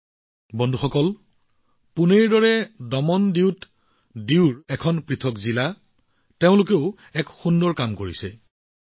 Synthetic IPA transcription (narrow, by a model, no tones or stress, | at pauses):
bɔndʱuxɔkɔl | puneɹdɔɹɛdɔmɔndiʊt | diʊɹɛkʰɔnpɹitʰɔkzila | teʊ̃lʊkeʊ | ɛkxundɔɹkamkoɹisɛ